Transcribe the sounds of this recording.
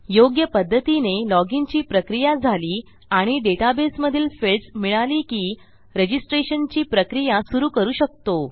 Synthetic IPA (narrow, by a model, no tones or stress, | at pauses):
joɡjəpəd̪ʱːət̪inelɔɡint͡ɕiːpɾəkɾijad͡zʱaliː | aɽ̃iɖeʈabesməd̪ʱiːlfelsmiɭaliːkiː | ɾed͡ʑisʈɾeɕənt͡ɕiːpɾəkɾijasuɾuːkəɾuːɕək̚t̪o